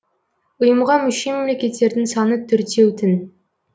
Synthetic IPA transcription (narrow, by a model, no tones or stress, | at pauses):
ʊjəmʁɑmʏʃijme̞mle̞kʲe̞t̪ːe̞ɾd̪ɪŋsɑnət̪ʰʏɾt̪ʰe̞wt̪ʰɪn